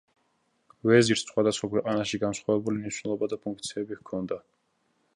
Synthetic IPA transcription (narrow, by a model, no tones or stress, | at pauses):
vɛziɾt̪sχwad̪asχwakwɛqʼanaʃiɡansχwavɛbulimniʃwnɛlˠɔbad̪apʰũŋk̚ʰt̪sʰiɛbihkʰɔnd̪a